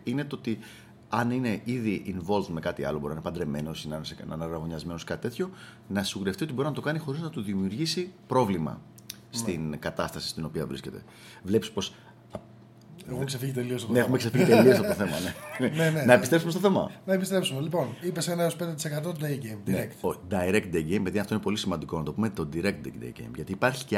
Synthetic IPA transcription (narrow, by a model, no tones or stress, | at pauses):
ine̞t̪oot̪i | ɐnine̞ʔiðiʔinvo̞lt̪me̞kɐt̪iɐ̰lobo̞ɾininepɐnd̪ɾe̞me̞no̞sinɐnsnɐ̰nɐɾɐɣo̞ɲɐzme̞noskɐt̪i̥t̪e̞t̪ço̞ | nɐsiɣuɾeft̪iot̪ibo̞ɾinɐt̪o̞kɐnixo̞ɾiznɐt̪uðimiuɾʝisipɾo̞vlimɐ̰ | st̪inkɐt̪ɐst̪ɐsi̥st̪ino̞piɐvɾḭsce̞̰t̪e̞̰ | vle̞pispo̞s | ɐ | exeksefiʝit̪̬eliosneexumeksefiʝit̪elio̞s̬ɐpt̪oθe̞mɐ̰nenenenɐepist̪ɾesumestoθe̞mɐ̰nɐepist̪ɾepsumelipo̞nipesenɐeospend̪et̪isekɐt̪̬od̪eɟejmd̪nineɾekt̪od̪ɐiɾek̚t̪̚d̪ejɡejmeðiɐnɐft̪oinepolisimɐnd̪iko̞nɐt̪o̞pume̞t̪o̞d̪iɾek̚t̪̚d̪ḛkd̪ḛɡḛjmʝɐt̪iːpɐɾçi̥ce